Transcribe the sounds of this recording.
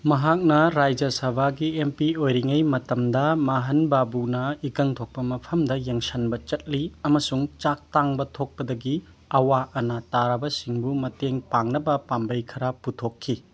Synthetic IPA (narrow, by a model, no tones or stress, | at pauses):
mɐɦak̚nɐɾajd͡ʒɐsɐbʱaɡiempiojɾiŋɐjmɐtɐmdɐmaɦɐnbabunɐikɐŋtʰok̚pɐmɐpʰɐmdɐjeŋsɐnbɐt͡ʃɐt̚liɐmɐsuŋt͡ʃak̚taŋbɐtʰok̚pɐdɐɡi | ɐwaɐnataɾɐbɐsiŋbumɐteŋpaŋnɐbɐpambɐjkʰɐɾɐputʰokʰːi